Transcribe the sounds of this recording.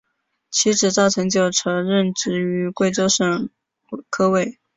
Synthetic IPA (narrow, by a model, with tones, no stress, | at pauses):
t͡ɕʰi˧˥ʈ͡ʂɻ̩˨˩t͡sɑ˥˩ʊʈ͡ʂʰɤ˧˥ŋt͡ɕjo˥˩ʊʈ͡ʂʰɤ˧˥ɻə˥˧nʈ͡ʂɻ̩˥˩y˧˥kwe˥˩ɪt͡so˥ʊʂə˥˩ŋ | kʰɤ˥we˥˩ɪ